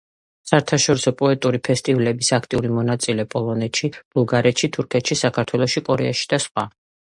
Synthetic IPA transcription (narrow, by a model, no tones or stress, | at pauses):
saɛɾt̪ʰaʃɔɾisɔpʼɔɛt̪ʼuɾipʰɛst̪ʼivlɛbisakʰt̪ʼiuɾimɔnat̪sʼilɛpʼɔlˠɔnɛt̪ʃib̥ulˠɡaɾɛt̪ʃit̪ʰuɾkʰɛt̪ʃisakʰaɾt̪ʰwɛlˠɔʃikʼɔɾɛaʃi̥d̪̥asχwa